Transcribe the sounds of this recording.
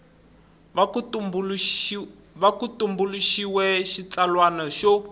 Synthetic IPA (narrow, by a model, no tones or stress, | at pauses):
βakutumbuluʃiwɛʃit͡salwanɔʃɔ